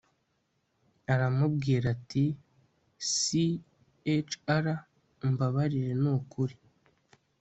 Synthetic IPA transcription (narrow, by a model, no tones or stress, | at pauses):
aɾamub̚ɡiːɾati | si | et͡ʃaɾa | mbaβaɾiɾe̞nukuɾi